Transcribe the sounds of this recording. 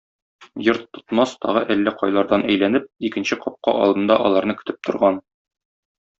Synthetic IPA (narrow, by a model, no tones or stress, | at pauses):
jɤɾt̪ːŏt̪mɑst̪ɒ̰ʁɤʔælːɘqɒjlˠɑɾd̪ɑnæjlænɘp̚ikɘ̆nɕɘqɒp̚qɑ̰ʔɒ̰lˠd̪ɤ̆nd̪ɑʔɒlˠɑɾnɤkɵ̥̆t̪ɘp̚t̪ʰŏɾʁɑn